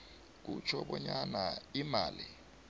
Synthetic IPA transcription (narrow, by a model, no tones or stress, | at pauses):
k̬ut͡ʃʰɔɓɔɲanaimaːli